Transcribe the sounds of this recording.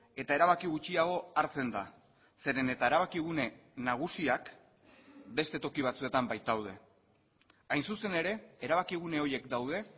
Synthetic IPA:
e̞t̪ae̞ɾaβ̞akiɣut͡ʃiaɣ̞o̞aɾt͡se̞nd̪a̰ | se̞ɾe̞ne̞t̪ae̞ɾaβ̞akiɣ̞une̞naɣ̞usiak | be̞st̪e̞t̪o̞kiβ̞at͡sue̞t̪ambajt̪awð̞e̞̰ | ajnsuse̞ne̞ɾe̞ːɾaβ̞akiɣ̞une̞o̞je̞kd̪awð̞e̞

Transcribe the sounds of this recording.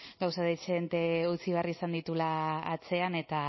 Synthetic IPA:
ɡawsaðet͡ʃeðent̪e̞ut͡siβeariːsand̪it̪ulaːt͡se̞ane̞t̪a

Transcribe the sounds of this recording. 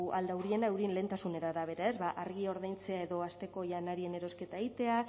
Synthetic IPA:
ʔald̪awɾie̞naewɾienle̞nt̪asune̞ɾaːɾaβ̞e̞ɾae̞zβaʔaɾɣio̞ɾðajnt͡se̞ae̞ðo̞ast̪e̞ko̞ʝanaɾie̞ne̞ɾo̞ske̞t̪aeɣit̪e̞a

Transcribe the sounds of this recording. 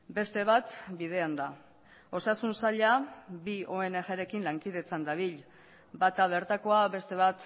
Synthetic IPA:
be̞st̪e̞βat̪bið̞e̞and̪a | o̞sasunsaʎabio̞e̞ne̞ʝeɾe̞kinlaŋkiðe̞t͡sand̪aβ̞iʎ | bat̪aβ̞e̞ɾt̪ako̞aβe̞st̪e̞β̞at̪

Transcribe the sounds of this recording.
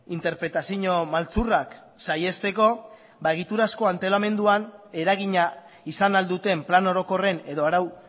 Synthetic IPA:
int̪e̞ɾpɾe̞t̪asiɲo̞malt͡surak | saje̞st̪e̞ko̞ | baeɣit̪uɾasko̞ant̪e̞lame̞nd̪uane̞ɾaɣ̞iɲa | isanald̪ut̪e̞mplano̞ɾo̞ko̞re̞ne̞ðo̞aɾaw

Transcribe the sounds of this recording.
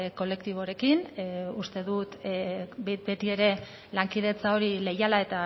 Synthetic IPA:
ko̞le̞k̚t̪iβ̞o̞ɾe̞kinust̪e̞ðut̪ | be̞t̪ie̞ɾe̞ | laŋkiðe̞t͡sao̞ɾile̞jalae̞t̪a

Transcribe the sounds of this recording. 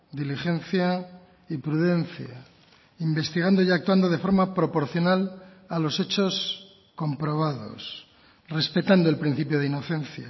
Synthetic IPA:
d̪iliχe̞nθja | ipɾuðe̞n̟θja | imbe̞st̪iɣ̞and̪o̞iak̚t̪wand̪o̞ð̞e̞fo̞ɾmapɾo̞po̞ɾθjo̞nal | alo̞se̞t͡ʃo̞s | ko̞mpɾo̞β̞aðo̞̰s | re̞spe̞t̪and̪oe̞lpɾin̟θipjo̞ð̞eino̞θe̞nθja̰

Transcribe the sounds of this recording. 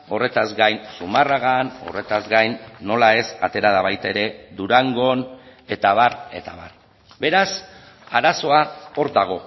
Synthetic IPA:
o̞re̞t̪azɡajnsumaraɣano̞̰re̞t̪azɡajnːo̞lae̞sat̪e̞ɾaðaβajt̪e̞ɾe̞d̪uɾaŋɡo̞ne̞t̪aβare̞t̪aβar | be̞ɾas | aɾaso̞ao̞ɾd̪aɣ̞o̞

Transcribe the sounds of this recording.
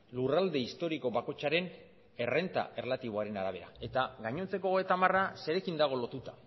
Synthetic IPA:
lurald̪e̞ist̪o̞ɾiko̞βako̞t͡ʃaɾe̞n | e̞re̞nt̪a̰e̞rlat̪iβ̞o̞aɾe̞naɾaβ̞e̞ɾa̰e̞t̪aɣaɲo̞nt͡se̞koɣet̪amarase̞ɾe̞kind̪aɣ̞o̞lo̞t̪ut̪ḁ

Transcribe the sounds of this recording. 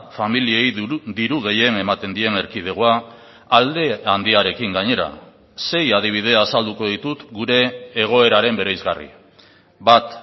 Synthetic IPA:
familie̞jd̪iɾuɣ̞e̞je̞ne̞mat̪e̞nd̪ie̞ne̞ɾkið̞e̞ɣ̞oaː | ld̪e̞and̪iaɾe̞kiŋɡaɲe̞ɾa̰ | se̞jað̞iβ̞ið̞e̞asald̪uko̞ðit̪ut̪ɡuɾe̞ːɣ̞o̞e̞ɾaɾe̞mbe̞ɾejzɣarḭ | bat̪

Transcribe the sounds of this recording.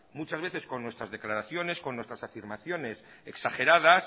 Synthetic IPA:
mut͡ʃazβe̞θe̞sko̞nːwe̞st̪ɾazðe̞klaɾaθjo̞ne̞sko̞nːwe̞st̪ɾasafiɾmaθjo̞ne̞s | eksaxe̞ɾað̞as

